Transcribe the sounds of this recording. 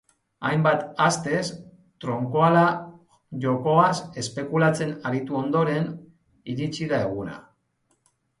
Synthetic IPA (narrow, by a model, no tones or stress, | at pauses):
ajmbat̪ast̪e̞s | t̪ɾo̞ŋko̞ala | ʝo̞ko̞ase̞spe̞kulat͡se̞naɾit̪uo̞nd̪o̞ɾe̞n | iɾit͡siðae̞ɣ̞una̰